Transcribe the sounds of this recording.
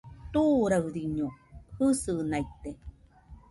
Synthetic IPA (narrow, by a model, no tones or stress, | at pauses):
t̪uɾaɯɾiɲohɨsɨnait̪e